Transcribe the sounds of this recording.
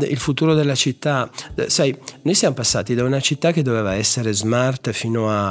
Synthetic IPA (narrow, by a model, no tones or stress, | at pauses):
ḭlfut̪uːɾod̪elːat͡ʃit̪ːasajnojsjamopasːa̰ːt̪id̪aunat͡ʃit̪ːak̟ːed̪ːovɛːvaɛsːeɾezmart̪fiːnoa